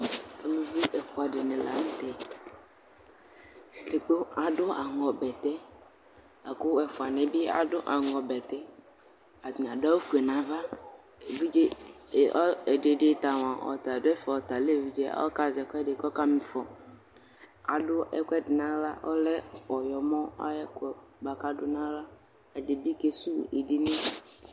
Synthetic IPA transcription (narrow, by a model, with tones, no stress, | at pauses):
a˨lu˦vi˦ʔɛ˨fu˨a˨ɖe˨nẽ˨la̰˨ŋ̩˦t̪ɛ˦ | le˨k͡po˦a˨dʊ˦a˨ŋɔ˨bɛ˨t̪ɛ˦ | a˨ko˦ɛ˨fu˨a˨nɛ̃˨bi˦a̰˨dʊ˦ʔa˨ŋɔ˨bɛ˨t̪ɛ˦ | a˨ĩ˨a˨da˦wo˦fu˨ɛ˨nã˨va˦ | e˨vi˦d͡ʒe˦˨ʔɔ˦ɛ˨de˨ɖe˦t̪a˨wã˨ɔ̰˨t̪a˨dʊ˦ɛ˦fɔ˨ɔ˨t̪a˨le˦˨vi˦d͡ʒe˦a̰˦ɔ̰˦ka˦zɛ˨kɛ˦de˨kɔ˦ka˦mĩ˨fɔ˨ | a̰˨dʊ˦ɛ̰˦kʷɛ˦dɪ˨nã˦la˦wɔ̰˦lɛ˦wɔ˨jɔ˨mɔ̃˦a̰˦jɛ˦kɔ˨ba˨ka˦dʊ˦nã˦la˦ | ɛ˨de˨bi˦ke˨su˦e˨ɖi˦nẽ˦